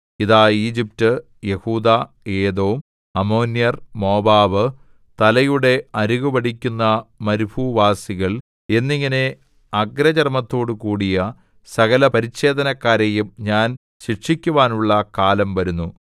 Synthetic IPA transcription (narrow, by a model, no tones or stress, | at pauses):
iðaːiːd͡ʑip̚tɨ | jehuːd̪a | e̞ːd̪oːm | ɐmo̞ːnjɐrmo̞ːbaːʋɨ | t̪ɐlɐjuɽe̞ɐɾuɣuʋɐɽikʲːunːɐmɐɾubʱuʋaːsiɣɐɭ | e̞nːiŋːɐne̞ | ɐɡɾɐd͡ʑɐrmɐt̪ːo̞ːɽɨkuːɽijɐ | sɐɣɐlɐpɐɾiɕe̞ːd̪ɐnɐkːaːɾejumɲaːn | ɕiʂikʲːuʋaːnuɭːɐkaːlɐmʋɐɾunːu